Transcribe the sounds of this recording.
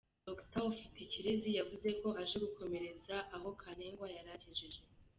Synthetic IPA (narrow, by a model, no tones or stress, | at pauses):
doktaofi̥ticiɾezijavuze̞ko̞haʒeɡukʰo̞me̞ɾe̞zaʔaɦo̞kʰaneːŋɡwajaɾaceʒeʒe